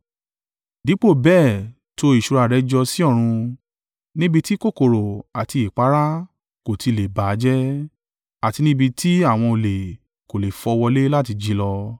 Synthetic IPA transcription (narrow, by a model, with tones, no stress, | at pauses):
di˨˦k͡po˦˨bɛː˦˨ | to˦i˨ʃu˨˧ɾa˧˨ɾɛ˨˦d͡ʒɔ˧si˦ɔ˦˨ɾ̃ũ˧ | nĩ˦bi˧ti˦ko˦˨ko˨ɾo˨a˨ti˧i˨k͡pa˨˦ɾa˦ | ko˨tʰi˧le˨ba˨˦d͡ʒɛ˦ | a˨ti˧nĩ˦bi˧tʰi˦a˦˨w̃ɔ̃˧o˨le˨ | ko˨le˨fɔ˧wɔ˧le˦la˦t̬i˧d͡ʒi˧˦lɔ˧